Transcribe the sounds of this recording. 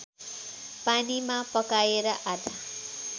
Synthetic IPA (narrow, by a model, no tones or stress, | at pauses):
panimapʌkajeɾʌʔad̪ʱa